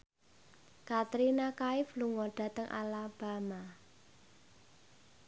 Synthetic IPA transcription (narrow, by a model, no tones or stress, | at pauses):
kat̪ɾinakaɪfluŋɔɖ̥a̤t̪əŋʔa̰lab̥a̤ma